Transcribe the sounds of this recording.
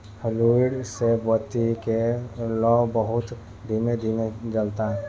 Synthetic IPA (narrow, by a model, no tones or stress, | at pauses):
hluiɽsebət̪ikelɔbəɦʊt̪ | d̪ʱimed̪ʱimed͡ʒəlt̪aɦɛ